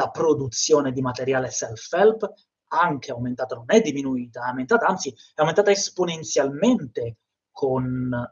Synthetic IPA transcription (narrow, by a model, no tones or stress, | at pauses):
lapɾod̪ut̪sːjoːned̪imat̪eɾjaːlesɛlfɛlp | aŋk̟ʰeawment̪aːt̪anonɛd̪ːiminuiːt̪aawment̪at̪aant̪si | ɛawment̪aːt̪aesponent̪sjalment̪e | kʰon